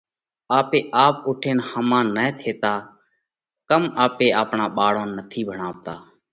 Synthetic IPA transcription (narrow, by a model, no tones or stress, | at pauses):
aːpeːʔaːpʊʈʰeːnhəmãːnət̪ʰeːt̪aː | kəmaːpeːaːpɳãːɓaːɽõːnːət̪ʰiːbʱəɳaːʋt̪aː